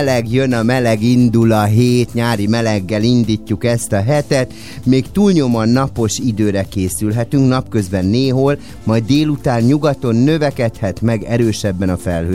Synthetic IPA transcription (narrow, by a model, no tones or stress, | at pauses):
lɛɡjø̞nɒmɛlɛɡind̪ulɒɦeːt̪ɲaːɾimɛlɛɡːɛlind̪iːcːukɛst̪ɒɦɛt̪ɛt̪ | meːkt̪uːlɲo̞mɒnɒpo̞ʃid̪øːɾɛkeːsylɦɛt̪yŋknɒpkø̞zbɛnːeːɦol | mɒjd̪eːlut̪aːnɲuɡɒt̪o̞nːø̞vɛkɛt̪hɛt̪mɛɡɛɾøːʃɛbːɛnɒfɛlɦøː